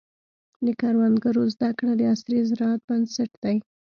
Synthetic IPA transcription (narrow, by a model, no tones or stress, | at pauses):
d̪əkɑɾwand̪ɡaɾozd̪akɽad̪əasɾizɪɾɑat̪̚bansaʈd̪̥aj